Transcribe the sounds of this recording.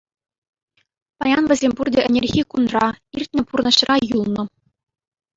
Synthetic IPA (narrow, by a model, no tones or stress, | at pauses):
pɑjɑnʋʲɘ̆zʲemʲpurdʲɘ̆ʔɘ̆nʲerʲɣʲikunrɑirʲtʲnʲɘ̆purnɤ̆ɕrɑjulˠnɤ̆